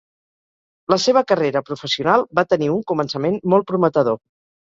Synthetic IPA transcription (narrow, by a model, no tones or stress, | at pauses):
ləseβəkəreɾəpɾufəsiunalˠbat̪əniuŋkumənsəmenmɔl̚ˠpɾumət̪əðo